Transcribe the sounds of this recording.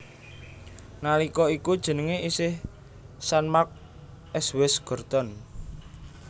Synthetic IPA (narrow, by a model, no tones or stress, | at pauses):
nalikɔikud̥ʒ̥ə̤nəŋeʔisɪh | sanmak̚ | ʔɛswɛsɡ̥ɔ̤rd̪̥ɔn